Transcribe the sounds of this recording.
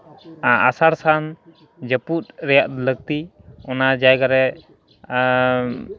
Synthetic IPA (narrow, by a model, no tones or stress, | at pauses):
a̰saɾsan | d͡ʒəput̪̚ɾɛjaʔd̪ləɡ̚t̪i | ɔnad͡ʒajɡaɾɛ